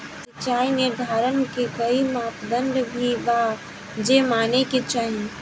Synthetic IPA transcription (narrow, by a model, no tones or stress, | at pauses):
sɐt͡ʃaːinɪɾd̪ʱaːɾənkekɐimaːp̪d̪ə̃ɳɖbʱiba | d͡ʒemaːneket͡ʃaːɦi